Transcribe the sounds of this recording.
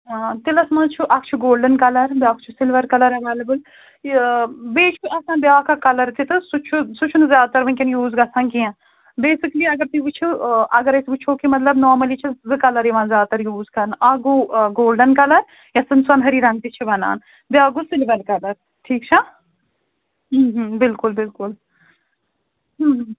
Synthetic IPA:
t̪ilɐsmɐ̃ːt͡ʃʰuʔɐkt͡ʃʰuɡoːlɖɐnkɐlɐɾbjaːkt͡ʃʰusilʋɐɾkɐlɐɾɐʋaːlɐbɨl | beːt͡ʃʰuʔɐsãːbjaːkɐkɐlɐɾt̪it̪ɨsut͡ʃʰusut͡ʃʰunɨzjaːd̪t̪ɐɾʋɐ̃ŋkʲɐnjuːzɡɐsãːnkiãː | beːsikliɐɡɐɾt̪uɡut͡ʃʰuʔɐɡɐɾesɡut͡ʃʰoːkimɐt̪lɐbnɔːɾmɐlit͡ʃʰizɨkɐlɐɾjiʋãːzjaːt̪ɐɾjuːzkɐnaːɡuɡoːlɖɐnkɐlɐɾ | jasɨnswɐnɦɐɾiːɾaːnk̪it͡ʃʰibɐna̰ːn | bjaːɡusɪlʋɐlkɐlɐɾ | ʈʰiːkt͡ʃʰa | ɦɦbɪlkʊlbɪlkʊl | ɦ

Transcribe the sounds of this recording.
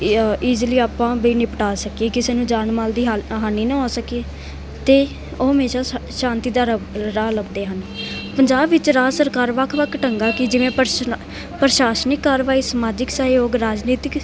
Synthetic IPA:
iːd͡ʒliːaːpãːbiːnɪːpəʈaːsəkieːkɪseːnũːd͡ʒaːnmaːld̪iːɦɦaːnːiːnə̃ɦɔːsəkeː | t̪eː | oːɦəmeːʃaːʃãːnt̪iːd̪aːɾɾaːləbd̪eːɦənpəɲd͡ʒaːbʋɪt͡ʃɾaːsəɾkaːɾʋəkʰʋəkʰʈəŋɡaːkɪd͡ʒɪʋẽːpəɾ | pəɾʃaːʃnɪkːaːɾʋaːiːsmaːd͡ʒɪksaːjoːɡɾaːd͡ʒniːt̪ɪk

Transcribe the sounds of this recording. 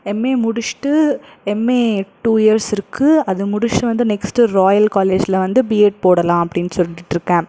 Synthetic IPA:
ɛmːeːmʊɽʊt͡ʃʈɯ | ɛmːeːʈuːɪɐɾsɪɾɯkʰːɯɐðɯmʊɽʊʂʈɯʋɐnd̪ɯnɛksʈɯɾoːjɐlkaːleːd͡ʒɪlɐʋɐnd̪ɯbiːeːʈ̚poːɽɐlãːɐpːɐɽɪnːɯsɔlːɪʈːɾɯkːɛ̃ː

